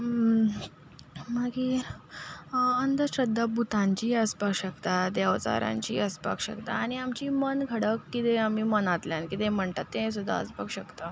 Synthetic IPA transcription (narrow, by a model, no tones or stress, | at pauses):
maɡiː | ənd̪əɕɾəd̪ʱːabut̪ãɲt͡ɕiːəspakɕəkt̪ad̪aʋt͡sa̰ɾa̰ɲt͡ɕḭːəspa̰kɕə̰kt̪aːɽ̃iamt͡ɕiːmənɡʱəɽəkːit̪eam̤iːmənat̪ljãnkit̪ẽm̤əɳʈ̪at̪ːẽs̬ud̪ʱːa̰ə̰spa̰kɕəkt̪a